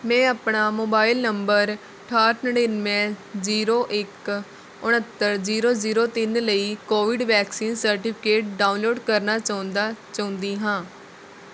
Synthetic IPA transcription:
mɛ̃ːapɳaːmoːbaːɪlnəmbəɾ | ʈʰaːɾnəɽenmɛ̃ːziːɾoːʔɪk | ʊɳət̪ːəɾziːɾoːziːɾoːt̪ɪnləiːkoːʋɪɖʋɛːksiːnsəɾʈɪpʰɪkeːʈ̚ɖaːʊnloːɖkəɾnaːt͡ʃaːʊ̃nd̪aːt͡ʃaːʊ̃nd̪iːɦãː

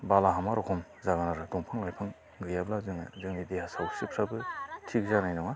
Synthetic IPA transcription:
balaɦamaɾɔkʰɔmzaɡanaɾɯdɔŋpʰɯŋlajpʰɯŋ | ɡɯjablazɯŋɯ̰zɯŋnideɦasawsɯpʰɾabɯtʰiɡzanajnɔŋa

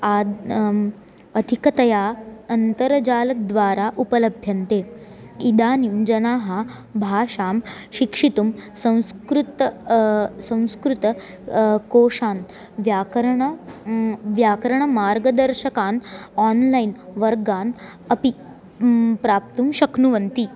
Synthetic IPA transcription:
a | əd̪ʱikət̪ɐjaənt̪əɾd͡ʑaːlɐd̪ʋaːɾaʔupələbʱjɐnt̪e | id̪aːnimd͡ʑɐnaːɦa | bʱaːɕaːmʃikʂit̪umsɐ̃w̃skɾut̪ | sɐ̃w̃skɾut̪ | koːʂaːn | ʋjaːkɾɳɐ | ʋjaːkɾɐɳɐmaːɾɡɐd̪ɐɾɕɐkaːnanlainʋɐɾɡaːn | ɐpi | pɾaːp̚t̪umɕɐknuʋɐnt̪i

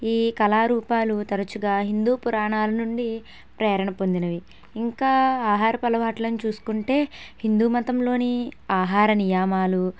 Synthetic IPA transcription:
iːkɐlaːɾuːpaːlut̪ɐɾɐt͡ʃuɡaːɦind̪uːpuɾaːɳaːlɐnuɳɖi | pɾɛːɾɐɳɐpond̪inɐʋi | iŋkaːaːɦaːɾɐpɐlɐʋaːʈlɐnt͡ʃuːsu̥kuɳʈe̞ːhind̪uːmɐt̪ɐmlo̞ːniaːɦaːɾɐnijaːmaːlu

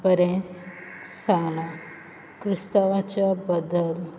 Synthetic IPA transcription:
pəɾẽ | saɳa | kɾist̪aʋat͡ɕabəd̪əl

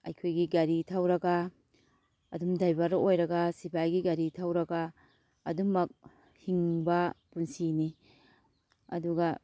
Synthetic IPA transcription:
ɐ̰jkʰojɡiɡaɾitʰawɾɐɡɐ | ɐdumdajbɐɾɐojɾɐɡɐsipʰajɡiɡaɾitʰawɾɐɡɐː | dumɐk̚ | hiŋbɐpunsini | ɐ̰duɡɐ

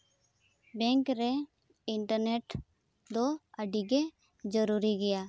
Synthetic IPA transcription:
bɛŋkɾɛ | iɳʈəɾneʈ | d̪ɔəɖiɡɛ | d͡ʒəɾuɾiɡɛja

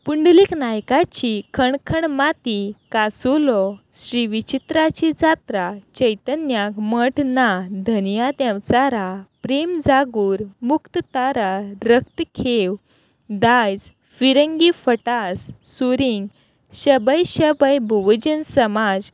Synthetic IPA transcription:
puɳɖliknajkat͡ɕikʰəɳkʰəɳmat̪ikasulɔɕɾiʋit͡ɕit̪ɾat͡ɕid͡zat̪ɾat͡ɕəjt̪ənjakməʈʰnad̪ʱənjat̪jãwt͡saɾapɾemd͡zaɡuːɾmukt̪ət̪aɾaɾək̚t̪kʰew | d̪ajd͡z | fiɾəŋɡifəʈassuɾiŋɡ | ɕəbəjɕəbəjbʱuʋd͡ʑənsəmad͡z

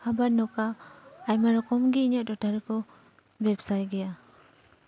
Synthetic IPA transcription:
abaɾnɔkaːjmaɾɔkɔmɡiɲɔʔ̚dɔtaɾɯkɔ | bɛbsajɡɛja

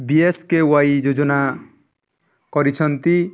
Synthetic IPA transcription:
bieskewajd͡ʒod͡ʒɔna | kɔɾit͡ʃʰɔnt̪i

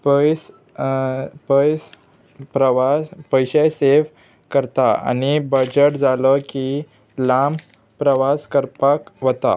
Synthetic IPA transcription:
pəs | pəjs | pɾəʋapəjɕəjseʋ | kəɾt̪aa̰ñibəd͡ʑəʈd͡zaləki | lam | pɾəʋaskəɾpakʋət̪a̰

